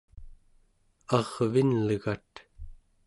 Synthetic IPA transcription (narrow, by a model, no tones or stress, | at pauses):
ɑʁvinləɣat̪